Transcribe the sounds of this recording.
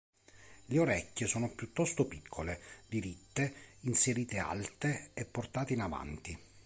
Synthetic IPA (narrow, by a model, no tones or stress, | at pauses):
leoɾɛkʲːesɔːnopjut̪ːɔst̪opikʰːoled̪iɾit̪ːeinseɾiːt̪ea̰lt̪eɛpːort̪aːt̪iinava̰nt̪i